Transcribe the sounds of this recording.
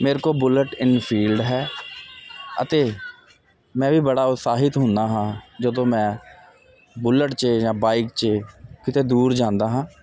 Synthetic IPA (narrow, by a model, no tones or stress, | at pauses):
meːɾkoːbʊləʈɪnpʰiːlɖɦɛː | ə̰t̪eː | mɛ̃ːʋiːbəɽaːʊt̪saːɦɪt̪ɦʊ̃nd̪aːɦãːd͡ʒəd̪õːmɛ̃ː | bʊləʈt͡ʃːjãːbaːɪkt͡ʃekɪt̪eːd̪uːɾd͡ʒãːnd̪aːɦãː